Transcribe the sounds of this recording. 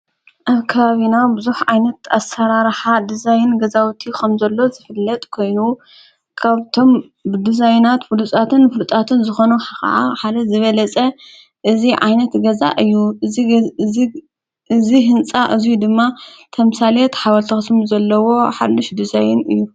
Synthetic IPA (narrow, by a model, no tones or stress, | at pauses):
ʔaβkʰɐβaβinawbɨzuħʕajnɐt̪asɐɾaɾħad̪ɨzajɪnɡɐzawt̪ʰikʰɐmzɐlːo̞zɨfɨlːɐt̪ʼkʰo̞jnu | kʰaβt̪ʰo̞m | bɨd̪ɨzajnat̪fɨlut̪ʼat̪ʰɨnfɨlut̪ʼat̪ʰɨnzɨxo̞nuħaxɐ̰ʕa̰ħad̪ɐzɨβɐlɐt͡sʼɐ | ʔɨziʕa̰jnɐt̪ɡɐza̰ʔɨjːu | ɨziɦɨnt͡sʼaʔɨzijud̪ɨmːat̪ʰɐmsalet̪ħawɐlt̪ʰɐxɨsmuzɐlːɐwo̞ħa̰d̪ːɨʃd̪ɨzajɪnɨ̰jːu